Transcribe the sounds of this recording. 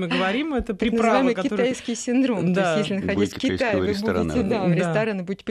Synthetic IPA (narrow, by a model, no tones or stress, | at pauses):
mɨɡəvɐɾʲimɛt̪əpɾʲɪnɨvajmmɨjkɪt̪ajskʲɪjsʲɪnd̪ɾo̞mt̪oasttjes̬ʲlʲɪnəxɐdʲitʲfkʲɪt̪ajɪvɨbudʲɪt̪ʲɪd̪avɾʲɪst̪ɐɾanɨbudʲɪtʲːɪp